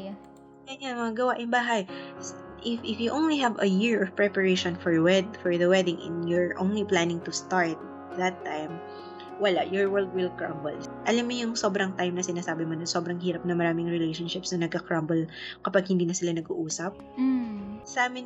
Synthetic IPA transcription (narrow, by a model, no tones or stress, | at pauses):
ɐjanmɐŋɐɡɐwaʔɪmbaːɦɐjsʔɪfɪfjuʔõwnliɦɛvɐjɪɹʔɔvpɹɛpɐɹejʃɔ̃nfɔɹwɛd̪fɔɹðɐwɛd̪ɪŋʔɛ̰̃njɔɹʔõ̰wnliplanɪ̃ŋt̪ʊst̪aɹt̪̚ | ðɐt̪ːajm | wɐlaʔjɔɹwɛɹld̪̚wɪlkɹa̰mbɛl | ʔɐlɐmjojʊŋso̞bɾɐŋt̪ajmnɐsɪnaːsaːbɪmonɐŋso̞ːbɾɐŋhiːɾɐp̚nɐmɐɾaːmɪŋɹɛlejʃonʃɪpsnɐnɐɡ̚kɐkɹambɛlkɐpaɡ̚hɪnd̪iːnɐsɪlanɐɡṵʔuːsɐp̚ | sɐʔaːmɪn